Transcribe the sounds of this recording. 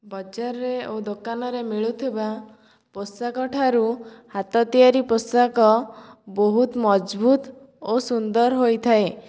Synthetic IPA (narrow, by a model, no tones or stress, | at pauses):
bɔd͡ʒaɾɔɾeod̪okanɔɾemiɭut̪ʰiba | posakɔʈʰaɾuhat̪ɔt̪iaɾiposakɔboɦut̪mɔd͡ʒbʱut̪ | osund̪ɔɾɦojt̪ʰae